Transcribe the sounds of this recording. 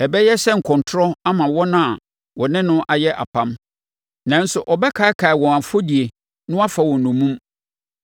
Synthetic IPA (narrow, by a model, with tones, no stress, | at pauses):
ɛ˨bɛ˦jɛ˦sɛ˦ŋ̩˨kʰɔ̃˨ntʰʊ˦ɾɔ˦a˦mã˨wɔ˦nʊ̃˦a˨ | wɔ̃˨nɪ̃˦nʊ̃˦ʔa˨jɛ˦ʔa̰˨pʰã˦m | nã˨˦n̩˦sʊ˨ʔɔ˨bɛ˦kʰa˨˦kʰa˨ɪ˨wɔ̃˨a˨fo˦di˨e˨ | nʊ̃˦a˦fa˨wɔ̃˨nʊ̃˨mũ˦m